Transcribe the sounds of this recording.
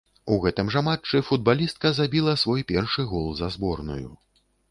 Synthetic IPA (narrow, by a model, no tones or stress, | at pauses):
uɣɛt̪ɨmʐamat͡ʂɨfud̪̚balʲist̪̚kɐzabʲilˠɐsvɔjpʲɛrʂɨɣɔlˠzɐzbɔrnṵjṵ